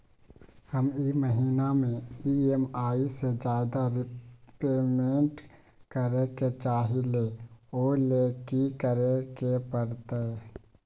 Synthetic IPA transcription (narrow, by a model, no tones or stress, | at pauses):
həmiməɦiːnamẽiemaːised͡ʒaːd̪aɾɪpeːmẽɳʈ | kəɾeket͡ʃaːɦileoːleːkikəɾekepəɾt̪e